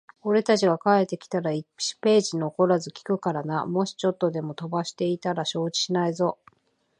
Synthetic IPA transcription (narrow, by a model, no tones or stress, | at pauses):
o̞ɾe̞t̪at͡ɕiɡakae̞t̪ːe̞kʲi̥t̪aɾaii̥pe̞ːʑinoko̞ɾazɨkʲi̥kɯ̟kaɾanamo̞ɕi̥t͡ɕo̞t̪ːo̞d̪e̞mo̞t̪o̞baɕi̥t̪e̞it̪aɾaɕo̞ːt͡ɕi̥ɕinaizo̞